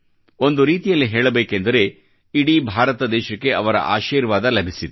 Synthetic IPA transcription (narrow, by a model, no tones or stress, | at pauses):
o̞nd̪uɾiːt̪ijɐlːiɦeːɭɐbeːkend̪ɐɾe̞ | iɽibʱaːɾɐt̪ɐd̪ɛːʃɐkːe̞ʔɐʋɐɾɐ̰ʔa̰ːʃiːɾʋaːd̪ɐlɐbʱisit̪